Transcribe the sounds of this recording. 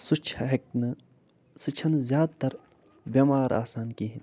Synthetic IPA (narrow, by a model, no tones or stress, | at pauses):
sut͡ʃʰɐɦɐk̚nɨ | sɨt͡ʃʰɐnzjaːd̪̚t̪ɐɾ | bʲɐmaːɾʔa̰ːsaːnkiːɦin